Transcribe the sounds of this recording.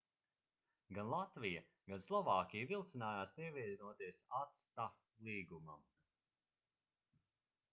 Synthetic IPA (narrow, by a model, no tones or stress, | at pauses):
ɡanlˠat̪vija | ɡanslˠɔvaːkʲijvilˠt̪sinaːjaːspiɛviɛd̪nuɔt̪iɛsat̪st̪a | lˠiːɡuma̰m